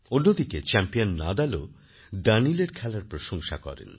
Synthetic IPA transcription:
onːod̪iket͡ɕɛmpionːad̪ɛlo | ɖanileɾkʰɛlaɾpɾoʃoŋʃa̰kɔ̰ɾḛn

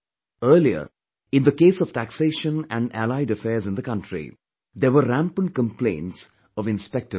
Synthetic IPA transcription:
əːliə̰ | ɪ̃nd̪əkeːsɔʋʈækseːʃə̃næ̃nɖælaɪɖəfɛːɾzɪ̃nd̪əkʌ̃nʈɾḭ | d̪eʋəɾæ̃mpə̃nɖ̚kə̃mplḛ̃ɪ̃nʈs | ɔʋɪ̃nspɛk̚ʈə

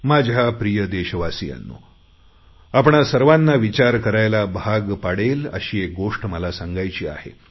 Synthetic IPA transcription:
mad͡ʑʱapɾijəd̪eɕəʋasija̰nːo̰ | apɳasəɾʋanːaʋit͡ɕaɾkəɾajlabʱaɡpaɽelə̰ɕiːek̚ɡoʂʈməlasaŋɡajt͡ɕiːa̰hḛ

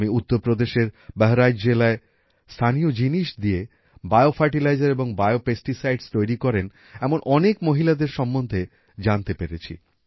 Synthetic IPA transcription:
miut̪ːoɾpɾod̪eʃeɾbɛɦoɾajd͡ʑelae | st̪ʰaniod͡ʑiniʃd̪ie | bajofʰaɾʈilajd͡ʑaɾeboŋbaeopesʈisajɖst̪ojɾikɔɾen | ɛmonʔɔnekmoɦilad̪eɾʃɔmːond̪ʱe | d͡ʑant̪epeɾet͡ɕʰḭ

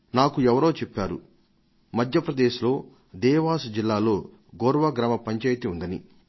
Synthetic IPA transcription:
naːkuɛʋɐɾo̞ːt͡ʃɛpːaːɾu | mɐd̪ʱjɐpɾɐd̪eːʃlo̞ː | d̪ɛːʋaːsud͡ʒilːaːlo̞ː | ɡoɾʋɐɡɾɐmɐpɐɲt͡ʃɐːjt̪iund̪ɐnḭ

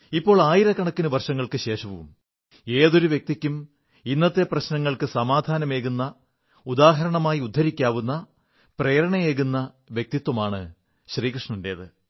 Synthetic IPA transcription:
ipːo̞ːɭaːjiɾɐkːɐɳɐkːinuʋɐrʂɐŋːɐɭkɨɕe̞ːʂɐʋuṵm | e̞ːðo̞ɾuʋjek̚t̪ikʲːum | inːɐt̪ːe̞prɐɕnɐŋːɐɭkɨsɐmaːd̪ʱaːnɐme̞ːɣunːɐ | ud̪aːɦɐɾɐɳɐmaːjiud̪ʱːɐɾikʲːaːʋunːɐ | prejɾɐɳɐjeːɣunːɐ | ʋjek̚t̪it̪wɐmaːɳɨ | ɕriːkrɨʂɳɐnde̞̰ːðɨ

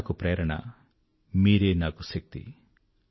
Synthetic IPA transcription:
kupɾeːɾɐɳɐ̰ | miːɾeːnaːkusɐk̚t̪ḭ

